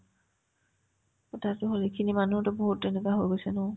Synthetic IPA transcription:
ɔtatʊɦolekʰinimanutɔboɦutːenikaɦojɡojsɛnɔ

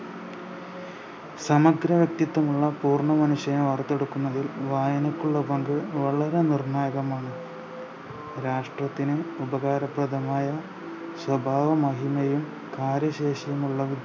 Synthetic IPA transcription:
sɐmɐɡɾɐʋjɐk̚t̪jiɐt̪ːɐmuɭːɐpuːrɳɐmɐnuɕjɐjɐʋɐrt̪ːe̞ɽukːunːɐðilʋaːjɐnɐkːuɭːɐbɐŋɡɨʋɐɭɐɾe̞nirɳaːjɐɣɐmaːɳɨ | ɾaːʂʈrɐt̪ːinumubɐɣaːɾɐprɐd̪ʱɐmaːjɐ | swɐbʱaːʋɐmɐɦimɐjum | kaːɾjɐɕe̞ːɕɐjumuɭːɐʋid̪

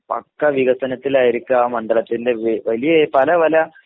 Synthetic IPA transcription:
pɐ̰kːɐʋiɣɐsɐnɐt̪ːilaːjiɾikʲːuaːmɐɳɖɐɭɐt̪ːinde̞ʋʋɐlijɐpɐlɐʋɐlɐ

